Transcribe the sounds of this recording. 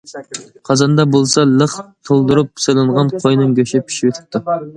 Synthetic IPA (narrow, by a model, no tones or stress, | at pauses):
qʰɑzɑnd̪ɑbolˠsɑlˠəχt̪ʰolˠd̪uɾupselˠɨɴʁɑnqʰojnɨŋɡʲøʃɪpʰi̥ʃiwøt̪ʰɪ̥p̚t̪ʰːu